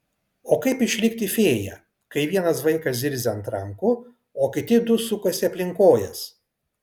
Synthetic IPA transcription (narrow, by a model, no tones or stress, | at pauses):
oːkɐɪpɪʃʲlʲɪkt̪ʲɪfʲeːjɛ̰ | kɐɪʋʲiɛnɐs̬ʋɐɪkɐsʲɪɾʲzʲɪɐnt̪ɾɐŋkʊ | oːkʲɪt̪ʲɪd̪ʊsʊkɐsʲɪɐpʲlʲɪŋkoːjɛs